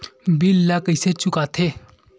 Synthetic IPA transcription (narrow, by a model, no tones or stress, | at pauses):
bilːakəjset͡ʃʊkat̪ʰe